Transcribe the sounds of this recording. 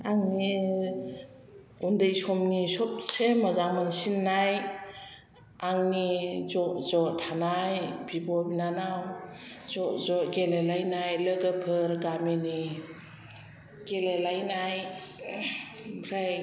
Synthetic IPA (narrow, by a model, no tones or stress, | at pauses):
aŋni | undɯjsɔmnisɔp̚semazaŋmansinːaj | aŋnizɔʔzɔtʰanajbibɔbinanawzɔʔzɔɡelelajnajləɡəpʰɯɾɡamini | ɡelelajnaj | bɾaj